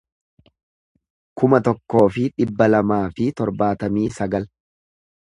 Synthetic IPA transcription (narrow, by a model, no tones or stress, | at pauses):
kʊmɐt̪ɔkːo̞ːfɪᶑɪbːɐlɐmaːfɪt̪ɔɾbaːt̪ɐmiːsɐɡɐl